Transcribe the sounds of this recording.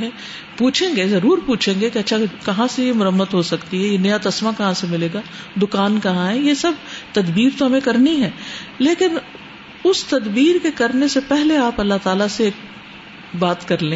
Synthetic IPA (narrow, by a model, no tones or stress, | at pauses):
ẽ | puːt͡ʃʰẽːŋɡezɐɾuːɾpuːt͡ʃʰẽːŋɡekiɐtːʃʰakɐɦãsejemʊɾəmːəd̪ɦosɐkt̪iɦɛjenɐjat̪ɐsmakɐɦãsemɪleːɡaːd̪ʊkaːnkɐɦãɦɛjesɐbt̪ɐd̪biːɾt̪oɦɐmẽkɐɾniɦɛ̃ːleːkɪn | ʊst̪ɐd̪biːɾkekɐɾnesepɛɦleaːpɐlːaɦt̪aːlaseeːk̚ | baːt̪kɐɾlẽː